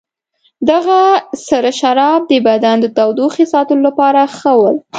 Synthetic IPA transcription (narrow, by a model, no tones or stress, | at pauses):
d̪aɣasaɾaʃaɾɑb̚d̪əbad̪and̪ət̪awd̪oxisɑt̪əllapɑɾaxəwəl